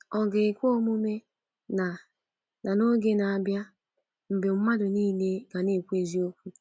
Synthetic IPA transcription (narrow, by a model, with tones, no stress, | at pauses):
ɔ˨ɡɪ˨kʷo˦mu˦me˦ | na˨ | na˨no˦ɡe˦na˨bja˦ | m̩˨be˨m̩˦ma˦dʊ˨niː˦le˦ɡa˨ne˦˨kʷe˦zi˦o˦kʷu˦